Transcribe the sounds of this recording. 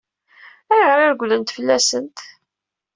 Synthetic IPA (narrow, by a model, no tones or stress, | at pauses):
æjʁəɾaɾɡʷlənt̪fəlːæsənt̪